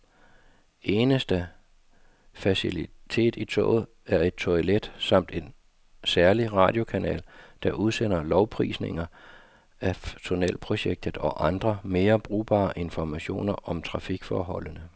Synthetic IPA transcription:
ʔe̝ːnəsd̥ə | fæsilit͡sʰe̝̰ːd̥it͡sʰɔ̰̽ːð̩ˠ | æɐe̝d̥̚t͡sʰoled̥sɑ̈m̰d̥e̝n | sæɐliʁɑ̈d̥jo̝kʰænɛ̰ːld̥ɑ̈ʔuð̞ˠsen̰ɐlɒʊpʰʁḭːsne̝ŋɐ | æt͡sʰo̝nɛ̰ːlpʰʁo̝ɕeɡ̥̚d̥ð̩ˠɒ̽ʔɑ̈nd̥ʁɐme̝ːɐb̥ʁṵːb̥ɑ̰̈ːʔe̝nfɒmæɕo̝̰ːnɐʔɒ̽mt͡sʰʁɑ̈fiɡ̥fɒːɦɒ̽lənə

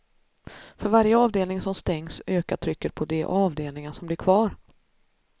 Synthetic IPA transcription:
fœɾvaɾjəɑːvd̪eːlnɪŋsɔmst̪ɛŋsøːkat̪ʰɾʏkːəɾpʰɔd̪ɛʔɑːvd̪eːlnɪŋənsɔmblɪɾkʰvɑːɾ

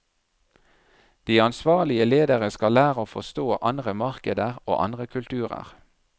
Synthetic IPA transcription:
d̪̥iːɑnsʋɑːlɪəleːd̪əʁəskɑlæːʁəoːfɔst̪oːʔɑnd̪ʁəmɑʁkəd̪əʁo̰ːʔɑ̰nd̪ʁəkʰʉlt̪ʰʉːʁə̰ʁ

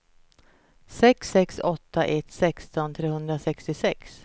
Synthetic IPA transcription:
sɛksːɛksɔt̪ːaʔɛt̪sɛkst̪ɔnt̪ʰɾeːhɵnd̪ɾasɛkst̪ɪsɛks

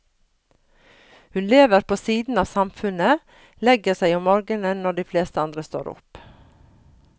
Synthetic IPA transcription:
hʉnleːʋəɾpʰoːsiːd̪n̩ɑːʋsɑmfʉnə | lɛɡəsæɪɔmɔɾɡənənɔɖiːfleːst̪əɑnd̪ɾəst̪o̰ːɾʊ̰p

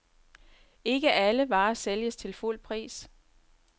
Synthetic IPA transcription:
e̝ɡ̥əʔæləʋɑ̈ːseljəst͡sʰe̝lful̰pʰʁḭːs

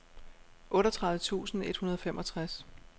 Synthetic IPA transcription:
ʔɔ̽ːɾɒt͡sʰʁäðð̩ˠət͡sʰṵːsn̩e̝d̥hunɐð̞ˠɒ̽femʔɒ̽t͡sʰʁas

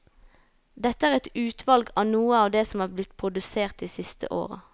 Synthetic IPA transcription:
d̪ɛt̪ːəæːʁɛt̪ʉːt̪ʰʋɑlɡɑːʋnuːəɑːʋd̪eːsɔmæːʁblɪt̪ːpʰʁʊd̪ʉseːʁt̪iːsɪst̪ʰə̰ʔo̰ːʁə̰

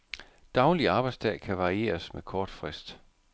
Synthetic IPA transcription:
d̥ɑ̈ʊliɑ̈ːb̥ɑ̈ɪdsd̥ʰɛ̰ːkʰæʋɑ̈ʁie̝̰ːɐsmekʰɒːd̥fʁɛsd̥

